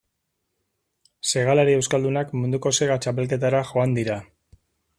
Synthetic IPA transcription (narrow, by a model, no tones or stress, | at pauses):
se̞ɣ̞alaɾie̞wskald̪unakmund̪uko̞se̞ɣat͡ʃape̞lk̬e̞t̪aɾaxo̞and̪iɾa